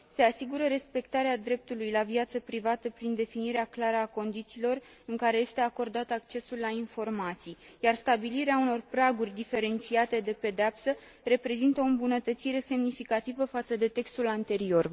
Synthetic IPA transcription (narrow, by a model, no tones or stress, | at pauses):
se̞asiɡuɾəɾe̞spe̞k̚t̪aɾead̪ɾe̞p̚t̪ulujlaviat̪səpɾivat̪əpɾind̪e̞finiɾeaklaɾəako̞nd̪it̪siːlo̞r | ɨŋkaɾe̞je̞st̪e̞ako̞rd̪at̪əakt͡ʃe̞sulːainfo̞rmat̪sijjarst̪abiliɾeauno̞rpɾaɡurʲd̪ife̞ɾe̞nt̪siat̪e̞d̪e̞pe̞d̪eapsə | re̞pɾe̞zint̪əoɨmbunət̪ət̪siɾe̞se̞mnifikat̪ivəfat̪səd̪e̞t̪e̞kst̪ulant̪e̞ɾio̞r